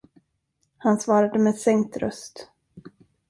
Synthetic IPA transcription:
hansvɑːɾad̪əmɛsɛŋt̪ɾœ̰st̪

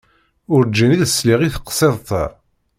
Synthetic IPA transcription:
ʊɾd͡ʒːæniðəsliʁiθə̥qːə̥sˤeðˤt̪æ

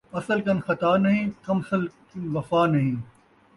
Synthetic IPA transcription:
ɐsəlkɐnxɐt̪aːnɐɦĩːkɐmɐsəlknʋɐfaːnɐɦĩː

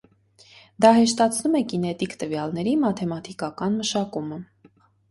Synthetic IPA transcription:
d̪ɑhɛʃt̪ɑt͡sʰnumɛkinɛt̪ikt̪əvjɑlnɛɾimɑt̪ʰɛmɑt̪ʰikɑkɑnməʃɑkumə

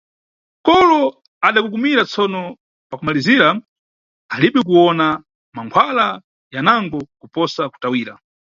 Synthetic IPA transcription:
kɔlɔ | aɗakuk̬umiɾat͡sɔnɔ | pakumaliziɾa | aliɓɛk̬uɔna | maŋkʰwala | janaŋɡɔkupɔsaku̥tawiːɾa̰

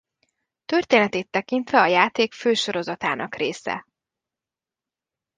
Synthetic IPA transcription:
t̪ørt̪eːnɛt̪eːt̪ːɛkint̪ʋɛɒjaːt̪eːkføːʃo̞ɾo̞zɒt̪a̰ːnʔɒkreːsɛ̰

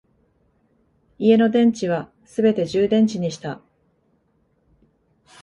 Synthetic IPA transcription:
ie̞no̞d̪ẽ̞ɲ̟t͡ɕiβ̞a | sɨbe̞t̪e̞ʑɨːd̪ẽ̞ɲ̟t͡ɕiɲ̟iɕi̥t̪a

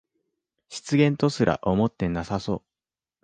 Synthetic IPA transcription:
ɕi̥t͡sɨɡẽ̞nt̪o̞sɨɾʔa̰ʔo̞mo̞t̪ːe̞nasaso̞ː

